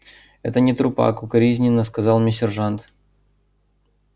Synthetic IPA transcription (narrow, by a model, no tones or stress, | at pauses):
ɛ̰t̪ənʲɪt̪ɾʊpa̰kʊkɐɾʲizʲnʲɪnːəskɐzɑlˠmʲɪsʲɪrʐant̪